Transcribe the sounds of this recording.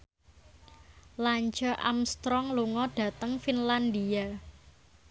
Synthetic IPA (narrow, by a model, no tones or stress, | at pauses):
laɲt͡ʃɔʔa̰mst̪ɾɔŋluŋɔɖ̥ä̤t̪əŋfinland̪ia